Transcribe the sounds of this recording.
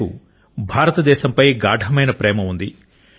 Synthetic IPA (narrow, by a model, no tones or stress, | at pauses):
ṵ | bʱaːɾɐt̪ɐd̪ɛːʃɐmpɐjɡaːɖʱɐmɐjnɐpɾɛːmɐund̪i